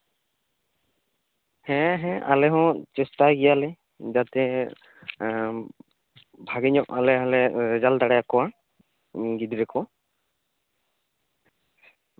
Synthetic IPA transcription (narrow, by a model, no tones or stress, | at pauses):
hɛ̃ɦɛ̃ʔa̰lɛɦɔ̃t͡ʃɛstaɡijalɛ | d͡ʒat̪ɛ | bʱaɡiɲɔʔalɛalɛɾɛd͡ʒald̪aɽɛakɔwa | ɡid̪iɾɛkʰɔ